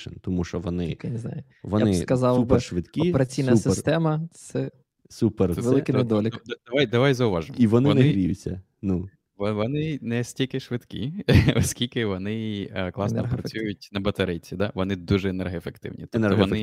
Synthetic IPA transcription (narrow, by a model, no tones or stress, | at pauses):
ɪ̰nt̪ɔmuʃt͡ʃɔʋɔnɪikɪjneznɑ̰jʊ | ʋɔnaɪskɐzɑlupɪʃʋɪt̪kʲɔieɾɐt͡sʲijnɐp̪sɪt̪ɛmɐsɛ | superʋelˠɪkɪjned̪ɔlʲɪkd̪d̪ɐʋajd̪ɐʋɑjzɐʊʋɑʒɪmiʋɔnɪɔnɪɪɾʲijʊ̰t͡sʲːɐ̰ | nu | ʋʋɔnɪnɛsʲtʲilʲkɪʃʋɪd̪kʲḭɔsʲkʲilʲkɪʋɔnɪklˠɑsnɔpɾɐt͡sʲsʲujʊt̚ʲnɐbɐt̪ɐɾɪjt͡sʲid̪ɑʋɔnɪd̪uʒɛenɛrɦɔefekt̪ɪ̰wnʲḭt̪ɔnɛɔʋɔ̰nɪ